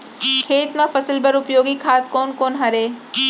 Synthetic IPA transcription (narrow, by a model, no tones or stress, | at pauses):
kʰeːt̪mãfɐsəlbəɾʊpjoːɡikʰaːt̪̚koːnkoːnɦɐɾeː